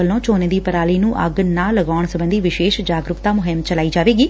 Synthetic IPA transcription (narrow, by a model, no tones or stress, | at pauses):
əlːõːt͡ʃoːnẽːd̪iːpəɾaːliːnũːʔə̰ɡnãːləɡaːɳsəbənd̪iːʋɪʃeːʃd͡ʒaːɡɾʊkt̪aːmʊɦɪmt͡ʃəlaːiːd͡ʒaːʋeːɡiː